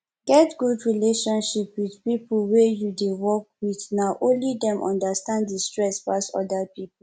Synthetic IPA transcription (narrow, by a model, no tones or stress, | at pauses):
ɡ̥ɛtɡudɹileʃɔ̃nʃipwidpipulwejudewɔk̚wiθnaʔõnlidɛ̃mʔɔ̰̃ndastãnddistɹɛspasɔ̰dapipu